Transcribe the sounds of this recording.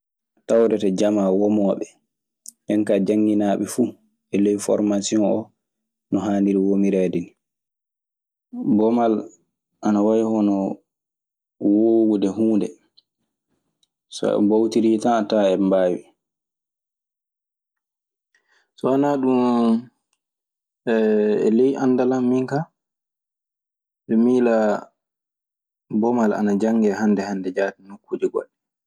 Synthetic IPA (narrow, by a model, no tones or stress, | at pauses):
tawɾɛtad͡ʒamawɔmɔːɓɛ | ʔɛnkad͡ʒaŋːinaːɓɛfu | ʔɛlɛjfɔ̰ɾmasiɔnʔɔ | nɔɦaːndiɾiwomiɾaːdini | bɔmal | ʔanawajhɔnɔ | woːɡudɛhuːndɛ̰ | sɔ̰ɛ̰bawtiɾiːtanataɛmbaːwḭ | sɔanaɗum | ɛ̰lejʔandalamːiŋka | ɓɛmiːla | bɔmala̰nad͡ʒaŋɡɛhandɛhandɛd͡ʒaːtinukʰːud͡ʒiɡɔ̰ɗɛ